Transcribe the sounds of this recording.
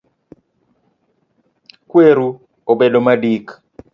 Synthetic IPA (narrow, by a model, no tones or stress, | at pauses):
kweɾu | obedomadik